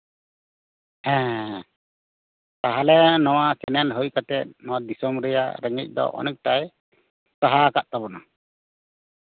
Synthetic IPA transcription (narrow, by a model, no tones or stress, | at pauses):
ɛ̃ː | t̪aɦalɛnɔwakɛnɛlɦujkat̪ɛt̪̚nɔad̪isɔmɾɛja̰ɾɛŋɛc̚ˀd̪ɔ̰ʔɔ̰nɛc̚ˀʈaj | saɦakaʔt̪abɔna